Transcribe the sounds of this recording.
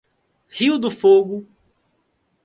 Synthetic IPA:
hiwd̪ʊfoɡʊ

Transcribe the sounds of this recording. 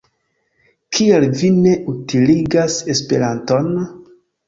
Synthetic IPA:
kʰialvine̞ʔutiliɡase̞spe̞̰ɾanto̞n

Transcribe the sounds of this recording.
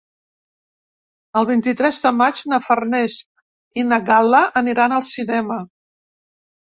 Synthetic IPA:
əlˠβ̞int̪it̪ɾɛzðəmad͡ʒnəfərnɛz | inəɡaləʔəniɾanəlˠsinɛmə

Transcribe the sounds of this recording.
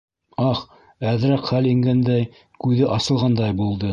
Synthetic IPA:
ɑχ | æðɾækχæliŋɡænd̪æj | kʉðɘʔɑsɤ̆lˠʁɑnd̪ɑjbulˠd̪ɤ

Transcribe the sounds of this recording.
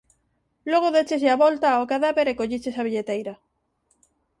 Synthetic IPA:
loɣ̞oðet͡ʃesaβɔlt̪aokaðaβeɾekoʎit͡ʃesaβiʎet̪ejɾɐ

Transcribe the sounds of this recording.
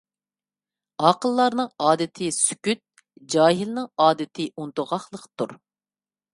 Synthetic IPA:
ɑqəlˠːɑɾnɨŋɑːd̪ɨt̪ʰɨsy̥kʲyt̪̚ | d͡ʒɑːɦilnɨŋɑːd̪ɨt̪ʰɨunt̪ʊʁɑχlˠəqt̪ʰuɾ

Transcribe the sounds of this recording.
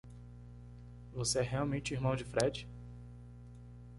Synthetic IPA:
voseɛɦeawmẽt͡ʃɪiɾmɐ̃w̃d͡ʒɪfɾɛd͡ʒɪ

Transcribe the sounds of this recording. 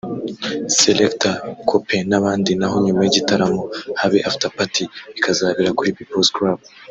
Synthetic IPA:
selektakʰopʰe̞naβaːndinaɦo̞ɲumajiɟitaɾamo̞haβeʔafi̥tapatʰiβikʰazaːβiɾakuɾipipolskɾab̚

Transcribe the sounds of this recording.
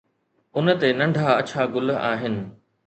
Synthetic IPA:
ʊnə̆t̪enɐ̃ɳɖʱaɐt͡ɕʰaɡʊlaːɦɪnɪ̆

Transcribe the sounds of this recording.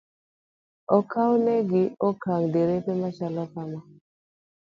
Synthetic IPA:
ɔkʰawnɛɡɪɔkaŋdeɾepemat͡ʃalɔpama

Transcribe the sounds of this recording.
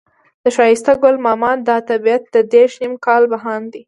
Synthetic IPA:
d̪̥əʃɑjɪst̪aɡʊlmɑmɑd̪ɑt̪abiat̪̚d̪əd̪eɾʃnimkɑlbaɦɑnd̪i

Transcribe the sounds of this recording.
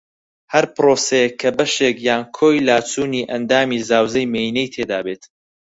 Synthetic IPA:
hɐɾpɨɾoːsɛjekʰːɐbɐʃekjaːnkʰoːjlaːt͡sʰuːniːʔɐnd̪aːmiːzaːwzɐjmeinejt̪ʰeːd̪aːbeːt̪

